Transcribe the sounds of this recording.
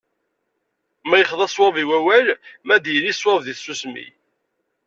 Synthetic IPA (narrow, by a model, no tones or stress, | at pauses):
mæjəχðˤæswɑviwæwælmæd̪jəlːiswɑvðiθsːusmḭ